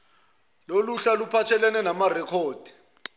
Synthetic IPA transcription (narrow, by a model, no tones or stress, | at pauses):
loluɬalupʰat͡ʃʰɛlɛnɛnamarɛkʰɔːd̥ʱi̥